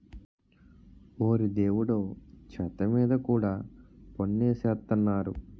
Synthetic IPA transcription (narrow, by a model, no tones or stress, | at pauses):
oːɾid̪e̞ːwuɽoːt͡ʃʰɐt̪ɐmiːd̪ɐkuːɽaːponːeːseːt̪ːɐnːaːɾu